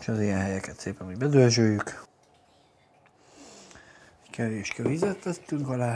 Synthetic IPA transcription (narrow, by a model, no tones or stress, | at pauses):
ʃɒzijɛnɦɛjɛkɛt̪seːpɛmiɟbɛd̪ølʒøːjːyk | ɛckɛveːʃkɛvizɛt̪lɛt̪ːyŋkɒlaː